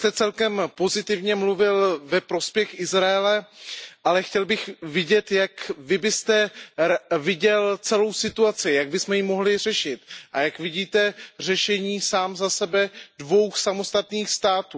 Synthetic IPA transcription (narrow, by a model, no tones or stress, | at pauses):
t̪ɛt͡sɛlkɛmpo̞zɪt̪ɪvɲɛmluvɪlvɛpɾo̞spjɛxʔɪzɾaɛlɛʔalɛxcɛlbɪxvɪɟɛt̪jakvɪbɪst̪ɛ | vɪɟɛlt͡sɛlo̞wsɪt̪uat͡sɪjaɡ̚bɪsmɛjimo̞ɦlɪr̝ɛʃɪt̪ʔajakvɪɟiːt̪ɛr̝ɛʃɛɲiːsaːmzasɛbɛdvo̞wxsamo̞st̪at̪niːxst̪aːt̪uː